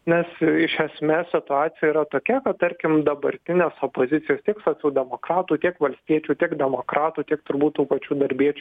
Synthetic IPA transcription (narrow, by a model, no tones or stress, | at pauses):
nʲɛsɪʃʲɛsʲmʲeːssʲɪt̪ʊɑːt̪sʲɪjɛiːɾɐt̪oːkʲɛkɐtt̪ɐɾʲkʲɪmd̪ɐbɐɾʲt̪ʲɪnʲeːsoːpoːzʲɪt̪sʲɪjoːst̪ʲiɛksɐːsʲuːd̪ʲɛmoːkɾɑːt̪uːt̪ʲiɛkʋɐlʲsʲt̪ʲiɛt͡ʃʲuːt̪ʲiɛkd̪ʲɛmoːkɾɑːt̪uːt̪ʲiɛk̚t̪ʊɾbuːt̪̚t̪uːpɐt͡ʃʲuːd̪ɐɾʲbʲiɛt͡ʃʲuː